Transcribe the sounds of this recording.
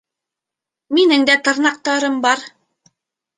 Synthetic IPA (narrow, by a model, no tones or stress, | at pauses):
minɘŋd̪æt̪ɤ̆ɾnɑq̚t̪ɑɾɤmbɑɾ